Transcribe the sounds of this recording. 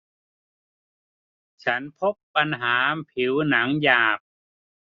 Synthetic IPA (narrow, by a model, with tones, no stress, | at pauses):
t͡ɕʰa˦˥npʰo˦˥pːa˧nɦaː˩˦pʰi˩˦wna˩˦ŋjaː˨˩p̚